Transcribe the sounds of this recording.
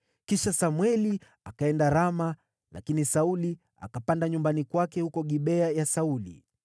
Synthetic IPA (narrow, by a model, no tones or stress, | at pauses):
kiʃasamwɛli | akaɛndaɾama | la̰kinisauli | a̰kapandaɲumbanikwakɛhukɔɠiɓɛajasaulḭ